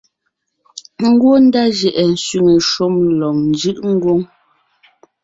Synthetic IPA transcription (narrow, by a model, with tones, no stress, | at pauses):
ŋ̩˦ɡwo˦n̩˦da˦ʒɛ˨ʔɛ˨n̩˨sɥi˦˨ŋə˨ʃo˦mlɔ˨ŋn̩˨d͡ʒɯ˦ʔŋ̩˦ɡwo˦ŋ